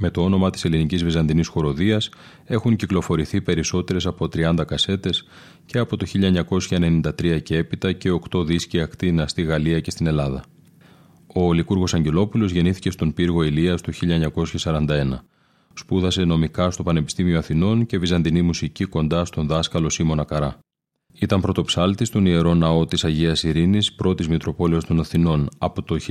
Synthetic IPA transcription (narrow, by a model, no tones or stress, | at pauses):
me̞t̪o̞o̞no̞mɐt̪i̥selinicizvizɐnd̪inisxo̞ɾo̞ðiɐs | e̞xunciklo̞fo̞ɾiθipe̞ɾiso̞t̪e̞ɾe̞sɐpo̞t̪ɾiɐnd̪ɐkɐse̞t̪e̞s | ce̞ɐpo̞t̪o̞çiʎɐeɲɐko̞sçɐene̞nind̪ɐt̪ɾiɐcee̞pit̪ɐce̞o̞kt̪o̞ðisciɐkt̪inɐst̪iɣɐliɐce̞st̪ine̞lɐðɐ̰ | o̞likuɾɣo̞sɐɲɟe̞lo̞pulo̞zʝe̞niθice̞st̪o̞mpiɾɣo̞eliɐst̪oçiʎːɐɲɐko̞sçɐsɐɾɐnd̪ɐe̞nɐ | spuðɐse̞no̞mikɐst̪o̞pɐne̞pi̥st̪imio̞ɐθino̞nce̞vizɐnd̪inimusiciko̞nd̪ɐst̪o̞nðɐskɐlo̞simo̞nɐkɐɾɐ | it̪ɐmpɾo̞t̪o̞psɐlt̪ist̪o̞nie̞ɾo̞nɐo̞t̪isɐʝiɐsiɾinispɾo̞t̪izmit̪ɾo̞po̞le̞ost̪o̞nɐθino̞nɐpo̞t̪o̞